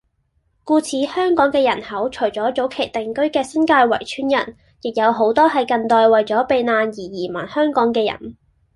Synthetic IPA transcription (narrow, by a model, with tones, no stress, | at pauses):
kuː˧t͡sʰiː˨˥hœː˥ŋkɔː˨˥ŋkɛː˧jɐ˨˩nhɐ˨˥wt͡ʃʰɵ˨˩ɥt͡sɔː˨˥t͡so˨˥wkʰe˨˩jt̪ɛ˨ŋkɵ˥ɥkɛː˧sɐ˥nkaː˧jwɐ̰˨˩jt͡ʃʰyː˨˥njɐ̰˨˩n | jɪ˨k̚jɐ˨˧wɦo˨˥wt̪ɔː˥ɦɐ˨jkɐ˨nt̪ɔː˧jwɐ˨jt͡sɔː˨˥pe˨˧jnaː˧njiː˨˩jiː˨˩mɐ˨˩nhœː˥ŋkɔː˨˥ŋkɛː˧jɐ̰˨˩n